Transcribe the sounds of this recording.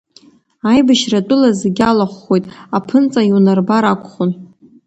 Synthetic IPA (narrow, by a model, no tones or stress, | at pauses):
ajbaʃratʷʼʊlazeɡʲalaχʷːo̞jtʼapʰɨnt͡sʼaiunarbaɾakʷʰʼχʊn